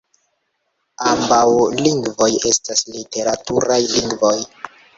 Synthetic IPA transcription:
ambawliŋɡvo̞je̞staslite̞ɾatuɾajliŋɡvo̞j

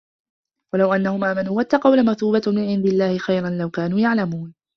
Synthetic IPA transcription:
walawʔanːahʊmʔaːmanuːwat̪ːɑqɑwlamaɾθuːbamɪnʕɪnd̪ɪalːaːhɪxajɾˤanlawkaːnuːjaʕlamuːn

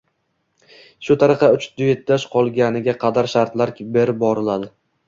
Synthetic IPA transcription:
ʃʊt̪ʰaɾɨqɑʊt͡ʃd̪ʊjet̪̚ːaʃqʰɒlˠɡʲanɪɡʲaqʰɑd̪aɾʃaɾt̪laɾkʲbeɾɪp̚bɒɾɪlad̪ɪ

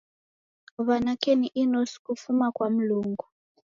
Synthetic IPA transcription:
βanakʰʼeniʔinosi̥kufumakʼwam̩luːŋɡu

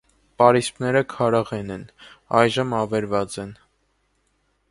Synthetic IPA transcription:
pɑɾispnɛɾəkʰɑɾɑʁɛnɛnɑjʒəmɑvɛɾvɑt͡sɛn

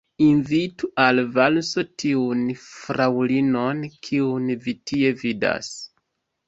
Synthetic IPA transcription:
invituʔalvalso̞tʰiunfɾawlino̞nkʰiunvitʰie̞vida̰s

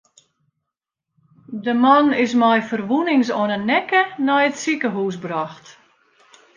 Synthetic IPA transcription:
dəmanɪsmɛjfərʋunɪŋsɔnənːɛkənɔjətsikəɦuːsbraxt

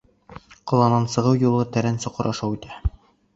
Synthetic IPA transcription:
qŏlˠɑnɑnsɤ̆ʁɤwjulˠɤt̪æɾænsɒ̆qɤ̆ɾʔɒʃɑwit̪æ

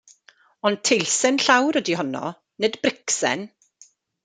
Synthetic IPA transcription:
ɔnd̚tʰejlsɛnɬawɾədihɔnɔ̰ | nɨdbrɪksɛ̰n

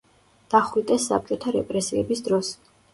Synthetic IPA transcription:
d̪̥aχwid̪ʼɛsːa̰p̚t͡ʃʼɔt̪ʰaɾɛpʼɾɛsiɛbisd̪ɾɔs

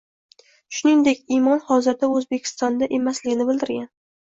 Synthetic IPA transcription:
ʃʊniŋd̪ekʲimɒnhɒzɪɾd̪aɵzbekʲʰɪ̥st̪ɒnd̪aʔe̞maslɪɡʲɪnɪbɪld̪ɪɾɡʲan

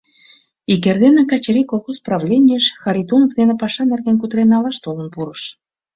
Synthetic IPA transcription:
ik̬erd̪enĕkɑt͡ɕeɾikolˠxosprɑvlʲenʲijəʃxɑɾit̪onovd̪enĕpɑʃɑnerɣenk̬ut̪ɾenːɑlɑʃt̪olənpuɾəʃ

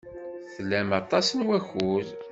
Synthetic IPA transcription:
θlːæmɑt̪ˤɑsənwæçuð

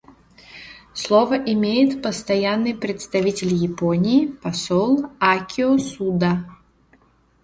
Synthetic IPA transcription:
slˠovəʔɪmʲejɪt̪pəst̪ɐjanːɨjpɾʲɪt̪st̪ɐvʲitʲɪlʲjɪponʲiːpɐsolˠakʲʰɪɔsud̪a

